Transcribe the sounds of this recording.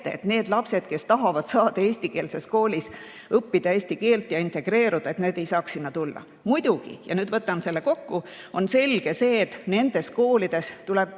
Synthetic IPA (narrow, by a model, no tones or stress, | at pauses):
eḛt̪ne̞ːd̪̥lɑpse̞d̪̥ke̞st̪ɑɦɑvɑd̪̥sɑːd̪̥ɑe̞ːsʲt̪ike̞ːlsesko̞ːlis | ɤpːid̪̥ɑeːsʲt̪ike̞ːlt̪ˑjɑint̪e̞ɡ̥re̞ːɾud̪̥ɑe̞t̪ne̞ːd̪̥ejsɑːksinːɑt̪ulːɑ̰ | mujd̪̥uɡ̥ḭjɑnyːd̪vɤt̪ːˑɑnse̞lːe̞ko̞kːu | o̞nse̞lɡ̥e̞se̞ːt̪ne̞nd̪̥e̞sko̞ːlid̪̥e̞st̪ulɛb̥̚